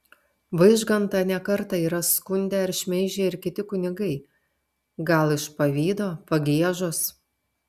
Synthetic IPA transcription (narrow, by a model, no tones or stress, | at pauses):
ʋɐɪʒɡɐnt̪ɐnʲɛkɐɾt̪ɐiːɾɐskʊnʲd̪ʲɛɐɾʲʃʲmʲɛɪʒʲeːɪɾʲkʲɪt̪ʲɪkʊnʲɪɡɐɪ | ɡɐlˠɪʃpɐʋʲiːd̪oːpɐɡʲiɛʒʊs